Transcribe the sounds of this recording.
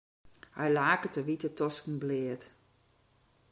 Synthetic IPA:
hajlaːkətəʋitətɔskn̩blɪːət

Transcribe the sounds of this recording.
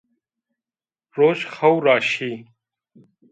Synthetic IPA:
ɾoːɕxɐwɾaːɕiː

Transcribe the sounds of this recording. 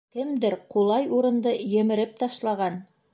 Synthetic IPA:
kɘmd̪ɘɾqulˠɑjuɾɤ̆nd̪ɤjɘ̆mɘ̆ɾɘp̚t̪ɑʃlˠɑʁɑn

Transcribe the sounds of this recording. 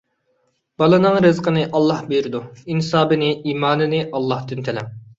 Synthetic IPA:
b̥ɑlˠɨnɨŋɾɨzqʰənɨʔɑlˠːɑhbeɾɪd̪uinɨsɑːbɨnɪiːmɑːnɨnɨʔɑlˠːɑht̪ɨnt̪ʰɛlɛŋ

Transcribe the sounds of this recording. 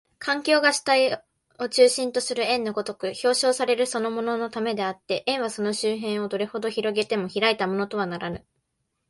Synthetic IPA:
kʰãŋkʲo̞ːɡaɕi̥t̪ai | o̞t͡ɕɨːɕĩnt̪o̞sɨɾɯ̟ẽ̞nːo̞ɡo̞t̪o̞kɯ̟ço̞ːɕo̞ːsaɾe̞ɾɯ̟so̞no̞mo̞no̞no̞t̪ame̞d̪e̞at̪ːe̞ʔẽ̞ɰ̃βaso̞no̞ɕɨːɦẽɰ̃o̞d̪o̞ɾe̞ho̞d̪o̞çiɾo̞ɡe̞t̪e̞mo̞çiɾait̪amo̞no̞t̪o̞β̞anaɾanɯ̟

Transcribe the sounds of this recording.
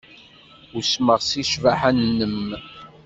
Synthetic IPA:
usməʁsiʃvaħanːəm

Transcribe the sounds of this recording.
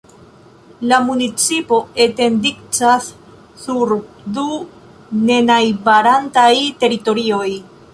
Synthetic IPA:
lamunit͡sipo̞e̞te̞ndikt͡sasː | uɾ | du | ne̞najbaɾantajte̞ɾito̞ɾio̞j

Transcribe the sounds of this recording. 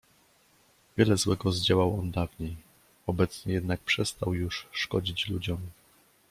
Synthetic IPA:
vʲjɛlɛzwɛɡɔzd͡ʑawawɔnd̪avɲej | ɔbɛt̪sɲɛjɛd̪nak̚pʂɛst̪awjuʂːkɔd͡ʑit͡ɕlud͡ʑɔm

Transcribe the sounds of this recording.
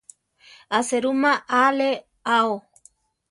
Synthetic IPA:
aseɾumaʔale | ao

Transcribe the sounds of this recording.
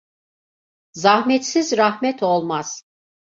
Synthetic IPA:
zahmɛt̪sizɾahmɛt̪ʰolˠmaz̥

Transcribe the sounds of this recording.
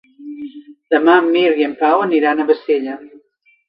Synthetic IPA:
d̪̥əmamːiɾiəmpawəniɾanəβəseʎə

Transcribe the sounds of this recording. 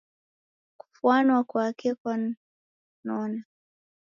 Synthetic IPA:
ku̥fuanɔwakuakikwa | nɔna

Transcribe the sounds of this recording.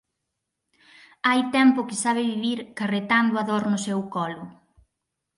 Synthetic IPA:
ajt̪ɛmpʊkɪsaβ̞ɪβiβiɾkaret̪and̪ʊaðoɾnʊsɛwkɔlʊ

